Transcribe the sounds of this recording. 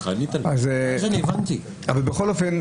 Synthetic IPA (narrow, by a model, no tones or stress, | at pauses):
anitaazzanievant̪i | avalbexolofen